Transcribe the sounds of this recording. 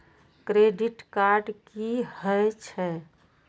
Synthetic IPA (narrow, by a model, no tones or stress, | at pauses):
kɾeɖiʈkaɾɖkihəjt͡ʃʰɛ